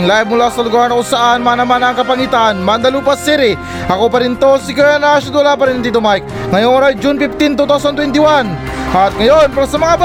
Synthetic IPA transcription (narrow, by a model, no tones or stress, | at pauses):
ŋlajb̚mʊlaːsɐlʊɡaɾnɐʔʊsaʔanmanɐmanɐŋkɐpɐŋit̪anmand̪ɐluːpɐsiɾɪ | ʔɐkopɐɾɪnt̪osɪkwɛnaʃʊd̪ʊlap̬ɐɾint̪it̪omajk̚ | ŋɐjoŋoɾajd͡ʒunpift̪int̪uːt̪awsɐnt̪wɛnt̪ɪwan | ɐt̪̚ŋɐjonpɛɾɐsɐmɐŋabɐ